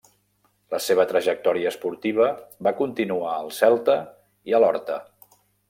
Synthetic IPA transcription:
ləseβ̞ət̪ɾəʒək̚t̪ɔɾiəːspuɾt̪iβ̞əβakunt̪inuaəlˠsɛlˠt̪ə | iəlɔɾt̪ə

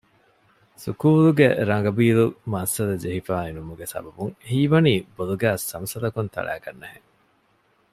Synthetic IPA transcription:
sṵkuːluɡeɾɐŋɡɐbiːlumɐsːɐd̪ɐd͡ʒeɦifaːenumuɡesɐ̰bɐbuŋhiːʋɐniːboluɡæːsːɐmsɐlɐkunt̪ʰɐ̰ɭæ̰ːkɐnːeheŋ

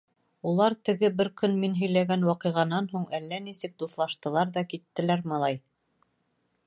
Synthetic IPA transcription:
ulˠɑɾt̪ɘ̆ɡɘbɘɾkɵnminɦɵ̆jlæɡænwɑqɤ̆ʁɑnɑnɦuɴʔælːænisɘk̚d̪uθlˠɑʃt̪ɤ̆lˠɑɾðɑkit̪ːɘ̆læɾmɑlˠɑj

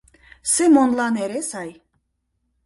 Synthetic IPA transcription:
semonlˠɑneɾesaj

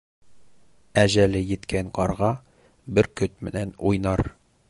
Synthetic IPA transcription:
æʑælɘjɘ̆t̪kʰæŋqɒɾʁɑ | bɘɾkɵt̪̚mɘ̆nænujnɑɾ

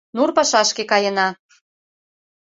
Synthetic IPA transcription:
nurpɑʃɑʃkekɑjə̆nɑ

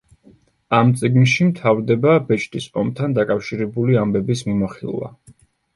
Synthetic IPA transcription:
amt̪sʼiɡnʃimt̪ʰavɾd̪ɛbabɛt͡ʃʰʼt̪ʼispʼɔmt̪ʰand̪akʼafʃiɾɛbuliambɛbismimaχḭlˠva̰

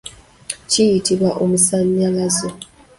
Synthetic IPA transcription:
cijitiβwaʔomusaɲːalazo

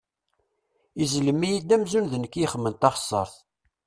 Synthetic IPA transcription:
izləmːijid̪æmzunðənəkːiχəmːənt̪ɑχə̥sˤːə̰ɾˤθ

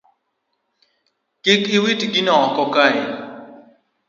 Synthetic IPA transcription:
kɪkiwitɡinɔɔkɔkai

